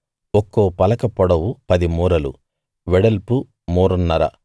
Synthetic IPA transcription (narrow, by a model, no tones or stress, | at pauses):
ɔkːoːpɐlɐkɐpɔɽɐwupɐd̪imuːɾɐlṵ | ʋɛɽɐlpu | moːɾunːɐɾɐ̰